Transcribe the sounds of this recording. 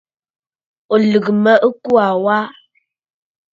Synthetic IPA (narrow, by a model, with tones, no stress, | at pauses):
ɔ˨lə˨kmə˦ʔə˦ku˦a˨wa˦